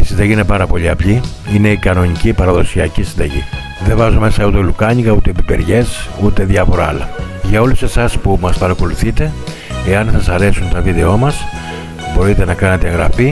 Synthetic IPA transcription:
i̥sind̪ɐʝine̞pɐɾɐpo̞ʎiɐpʎi | ine̞ikɐno̞nicipɐɾɐðo̞siɐcisind̪ɐʝḭ | ðe̞vɐzume̞sɐut̪e̞lukɐɲikɐut̪e̞ːpipe̞̰ɾʝe̞sut̪e̞ðjɐfo̞ɾɐɐ̰lɐʝɐo̞luse̞sɐspumɐspɐɾɐko̞luθit̪e̞ | eɐnsɐsɐɾe̞sunt̪ɐviðe̞o̞mɐs | bo̞ɾit̪e̞nɐkɐne̞t̪eeŋɣɾɐ̰fi

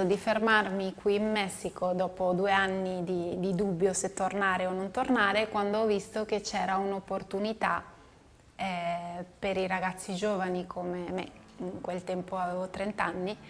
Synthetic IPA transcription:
od̪ifermarmikwiːnmɛsːikod̪ɔːpod̪uːeanːid̪id̪id̪ubːjoset̪ːornaːɾeonont̪ornaːɾekwand̪oɔvist̪ok̟et͡ʃːɛːɾaunopːort̪unit̪a | ɛpeɾiɾaɡat̪sːid͡ʒoːvanikʰomemḛ | iŋkwelt̪ɛmpoavevot̪ɾent̪anːi

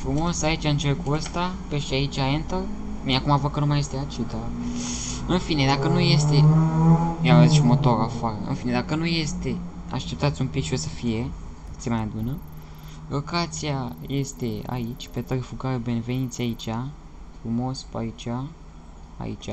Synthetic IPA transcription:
fɾumo̞sait͡ʃaɨnt͡ʃerkuəst̪apeʃait͡ʃʲaent̪ə | miakumavəkənumaje̞st̪eat͡ʃit̪a | ɨnfine̞d̪akənuje̞st̪e̞ | miavaziʃimo̞t̪o̞ɾafaɾə̰ɨ̰nfine̞d̪akənuje̞st̪e̞a̰ʃt̪e̞p̚t̪at̪sʲumpikʃio̞səfije̞ | ɨt̪semaabunə | lokat̪sijaje̞st̪e̞a̰it͡ʃʲpet̪əɾfukaɾebe̞neve̞nit̪sʲait͡ʃʲa | fɾumo̞spa̰it͡ʃʲa | a̰ḭt͡ʃʲa

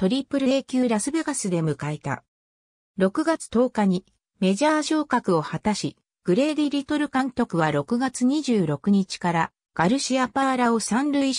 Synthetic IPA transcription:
t̪o̞ɾʲipɯ̟ɾɯ̟eːkʲɨːɾasɨbe̞ɡasɨd̪e̞mɯ̟kaet̪a̰ | ɾo̞kɯ̟ɡat͡sɨ̥t̪o̞ːkaɲ̟i | me̞ʑaːʑo̞ːkakɯ̟o̞hat̪aɕi | ɡ̥ɯ̟ɾe̞ːd̪ʲiɾʲit̪o̞ɾɯ̟kãŋk̪ʲo̞kɯ̟βaɾo̞kɯ̟ɡat͡sɨɲ̟iʑɨːɾo̞kɯ̟ɲ̟it͡ɕi̥kaɾa | ɡ̥aɾɯ̟ɕiapaːɾao̞sãnɾɯːi

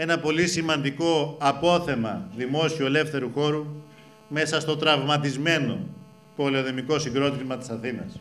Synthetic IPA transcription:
e̞nɐpo̞lisimɐnd̪iko̞ɐpo̞θe̞mɐ̰ðimo̞sioele̞fθe̞ɾuxo̞ɾu | me̞sɐst̪o̞t̪ɾɐvmɐt̪izme̞no̞̰ | po̞leoðemiko̞siŋɡɾo̞t̪imɐt̪i̥sɐθinɐ̰s

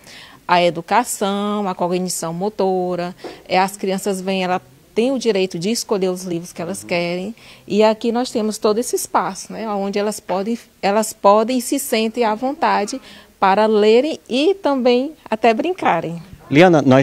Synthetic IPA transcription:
ɐed̪ukasɐ̃w̃ɐkoɡnisɐ̃w̃mot̪oɾɐɛɐskɾiɐ̃sɐzvẽj̃ɛlɐ | t̪ẽj̃ʊd͡ʒiɾejt̪ʊd͡ʒɪːskoʎeɾʊzlivɾʊskɪɛlɐskɛɾẽj̃ɪakinɔst̪ẽmʊst̪od̪ʊesɪispasʊ̥nɛawõd͡ʒɪɛlɐspɔd̪ẽj̃ | ɛlɐspɔd̪ẽj̃sɪsẽnt̪ẽj̃avõnt̪ad͡ʒɪ | paɾɐleɾẽj̃ɪt̪ɐ̃mbẽj̃a̰t̪ɛbɾĩŋkaɾẽj̃liɐ̃nɐnɔ

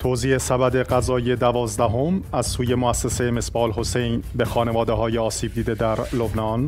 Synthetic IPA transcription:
t̪ʰoːziːʔe̞sæbæd̪e̞ɢæzɒːjed̪ævɒːzd̪æɦo̞mæzsuːje̞moæsːesejeme̞sbɒːlho̞sejnbe̞xɒːne̞vɒːd̪eɦɒːjeɒːsiːb̚d̪iːd̪e̞d̪æɾlobnɒːn

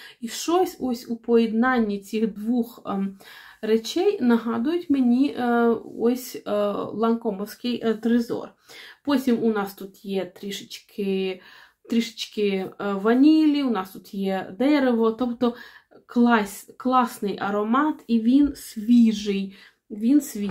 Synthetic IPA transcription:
iʃt͡ʃɔsʲɔsʲupɔjid̪nɑnʲːit͡sʲixd̪ʋux | ɾet͡ʃʲɛjnɐɦɑd̪ʊjʊtʲmenʲi | ɔsʲlˠɐŋkɔmɔwsʲkɪjt̪ɾɪzɔ̰r | pɔtʲimʊnɑst̪ut̪jɛt̪ɾʲiʃɪ̥t͡ʃkʰɪ | t̪ɾʲiʃɪ̥t͡ʃkɪʋɐnʲilʲiʊnɑst̪ut̪jɛd̪ɛɾeʋɔt̪ɔpt̪ɔ | klˠɑsʲklˠɑsnɪjʔɐɾɔmɑt̪iʋʲinsʲʋʲiʒɪj | ʋʲinsʲʋʲi

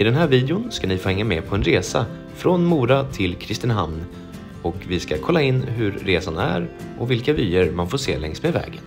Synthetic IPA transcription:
ɪd̪ɛnɦæːɾviːd̪ɪʊnskanɪfoːhɛŋːamɛpʰɔɛnɾeːsa | fɾɔnmuːɾat̪ʰɪlkʰɾɪst̪ənɦamn | ɔkvɪskakʰɔlːaɪnːɦɵɾːeːsanæ̰ɾʔɔvɪlkavyːəɾmanfoːʂḛːlɛŋsmevɛ̰ːɡə̰n

